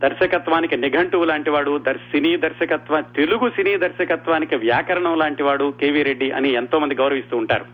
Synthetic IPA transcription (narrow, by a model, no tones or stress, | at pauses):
d̪ɐɾʃɐkɐt̪ʋaːnikiniɡʱɐɳʈuːlaːɳʈiʋaːɽud̪ɐɾsiniːd̪ɐɾʃɐkɐt̪ʋat̪eluɡusiniːd̪ɐɾʃɐkɐt̪ʋaːnikiʋjaːkɐɾɐɳɐmlaːɳʈiʋaːɽukeːʋiːɾeɖːiʔɐ̰nient̪oːmɐnd̪iɡɐwɾɐʋist̪uːɳʈa̰ːɾu